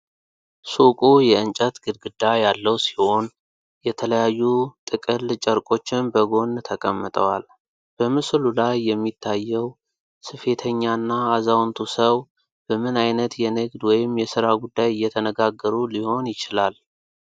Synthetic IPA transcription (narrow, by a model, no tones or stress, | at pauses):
sukʼujɛɨnt͡ʃʼət̪ɡɨd̪ɡɨd̪ːajalːəwsi̥ho̞n | jɛt̪ʰələjajːut̪ʼɨkʼɨlt͡ʃʼəɾkʼo̞t͡ʃːɪnbəɡo̞nt̪ʰəkʼəmːɨt̪ʼəwal | b̥əmɨslulajːɛmːit̪ʰːajːɛw | sɨfe̞t̪ʰəɲːanːaːzawnt̪ʰusəw | b̥əmɨnajnət̪jɛnɨɡd̪wɔjɪmːjɛsɨɾaɡud̪ːajɪjːɛt̪ʰənəɡaɡːəɾuliho̞njɪt͡ʃɪlal